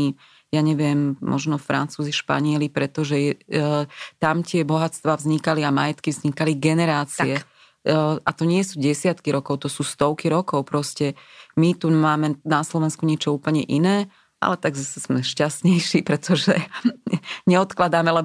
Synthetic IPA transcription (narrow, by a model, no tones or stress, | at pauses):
i | jaɲɛʋɪɛmːʔɔ̰ʒnɔfɾa̰nt͡suːziʃpa̰ɲɪɛlipɾɛt̪ɔʒɛjɛ | t̪amc̪ɪɛbɔɦat͡st̪ʋaːvzɲikaliamajɛt̪kivzɲikaliɡɛnɛɾaːt͡siɛ | ʔat̪ɔɲɪɛsuːɟɛsɪat̪kiɾɔkɔʊt̪ɔsuːst̪ɔʊkiɾɔkɔʊpɾɔscɛmit̪umaːmɛnaslɔʋɛnskuɲɪɛt͡ʃɔuːpl̩ɲɛ̰ʔinɛː | ʔa̰lɛt̪aɡzasɛzmɛʃcast̪ɲɛjʃipɾɛt̪ʰɔʒɛ | ɲɛɔt̪klad̪aːmɛlɛ